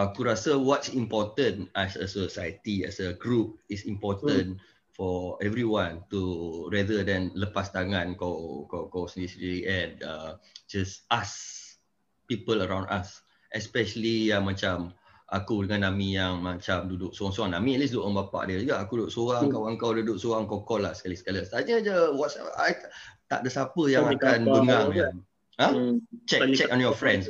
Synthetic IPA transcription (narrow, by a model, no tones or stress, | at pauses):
akuɾasəwɔtsĩmpɔt̪ə̃nasəsosajət̪iɛ̰səɡɹup̚isĩmpɔt̪ə̃n | fɔɛvɹiwãntuɹɛdədɛ̃nləpast̪aŋãnkakokosnisɹiliʔɛ̃nad͡ʒasas | pipələɹãw̃ndas | ʔɛspɛʃəliamãt͡ʃam | ʔakudəŋãnːamĩjaŋmat͡ʃamdudʊʔ̚soɣaŋsoãŋnamiɛt̚lis̬doʔə̃mbapa̰ʔdiəd͡ʒuɡaʔakududʊʔsoɣaŋkawəŋkawdudʊʔsoɣaŋŋkawkɔlahsə̥kalisə̥kalast̪aɲəd͡ʒəwɔtsɛajt̪a̰ʔdəsapəjaŋakanbəŋaŋja | hãt͡ʃɛt͡ʃɛkɔnjɔfɾɛ̃ns